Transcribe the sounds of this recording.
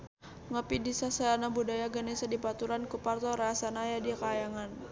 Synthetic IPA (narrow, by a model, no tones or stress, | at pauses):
ŋəpidisasəlanabudajaɡanesadipat̪uɾankupart̪ɔɾaasanajadikajaŋan